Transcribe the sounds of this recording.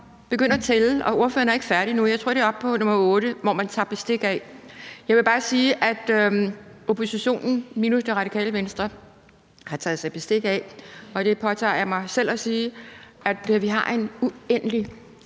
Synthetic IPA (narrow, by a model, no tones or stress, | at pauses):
b̥e̝ɡ̥øn̰ɐt͡sʰelʔɒ̽o̝ɐfø̰ːɐnæɐe̝ɡ̥əfæɐɾ̥inujɑ̈ɪt͡sʰʁo̰ɾ̥e̝ɒ̽b̥̚pʰɒ̽nɔ̽mɐɔ̽ːɾ̥əʋɒ̰mænt͡sʰɑ̈ːb̥e̝sd̥e̝ɡ̥ɛjɑ̈ɪʋe̝b̥ɑ̈ːsiːʔæd̥ | o̝pʰo̝siɕo̝̰ːnn̩minusd̥eʁɑ̈ɾikʰɛ̰ːləʋensd̥ʁɐ | hɑ̈t͡sʰɛːð̩ˠsɑ̈ɪb̥esd̥e̝ɡ̥ɛɒ̽d̥e̝pʰɒ̽t͡sʰɑ̰̈ːjɑ̈mɑ̈ɪsel̰ɒsiːæd̥ʋiɦɑ̈ʔe̝nuenəli